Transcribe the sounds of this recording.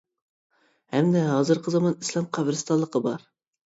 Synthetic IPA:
hɛmd̪ɛɦɑːzɨɾqəzɑmɑnislˠɑmqʰɑbɾɨst̪ɑllˠːəqʰəbɑɾ

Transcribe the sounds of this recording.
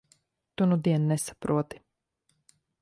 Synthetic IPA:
t̪unud̪iɛnnɛsḁpɾuɔt̪i̥

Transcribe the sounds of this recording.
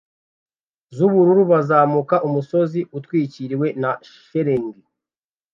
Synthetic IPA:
zuβuɾuɾuβazaːmukaʔumuso̞ziutwiːciɾiwe̞na | ʃeɾeŋɡi

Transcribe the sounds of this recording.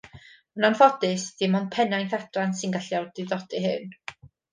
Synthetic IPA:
ənanfɔdɨsd̥imɔn̚pʰɛnajnθadansɪnɡaɬjawdɪðɔd̥ɨɦɨn

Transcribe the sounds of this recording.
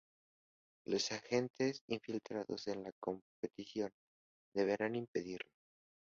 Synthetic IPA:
lo̞saxe̞nt̪esiɱfilt̪ɾaðo̞̰se̞nlako̞mpe̞t̪isjo̞n | d̪e̞β̞e̞ɾanimpe̞ðiɾlo

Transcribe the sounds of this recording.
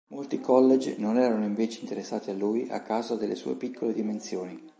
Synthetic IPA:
molt̪ikɔlːed͡ʒnonɛːɾanoiɱveːt͡ʃeint̪eɾesːaːt̪ialːuːjʔa̰kːawzad̪elːesṵːḛpikʰːoled̪imensjoːni

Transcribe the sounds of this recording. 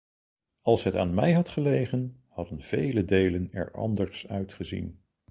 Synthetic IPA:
ɑlˠsɦəta̰ːnmɛjɦɑtχəlejχən | hɑdənv̥ejlədejlənɛ̰ɹɑ̰ndəɹsœɥtχəzḭn

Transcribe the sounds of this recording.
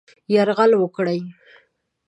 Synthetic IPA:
jaɾɣalwəkɽaj

